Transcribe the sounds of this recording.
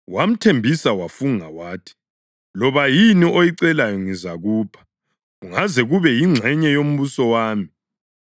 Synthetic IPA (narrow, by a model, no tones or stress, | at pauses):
wam̩tʰembʱisawafuŋa̰waːtʰi̥ | lɔβajiniojiǀɛlajɔŋizaɣuːpʰḁ | ɣuŋazɛɣuβɛjiŋ͡ǁʱɛɲɛjom̩βusɔwaːmi